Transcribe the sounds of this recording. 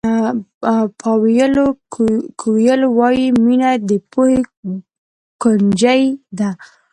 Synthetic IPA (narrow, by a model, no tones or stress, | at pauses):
pʰɑwijəlokʰowjəlowɑjiminad̪əpohe | kʊnd͡ʒajd̪a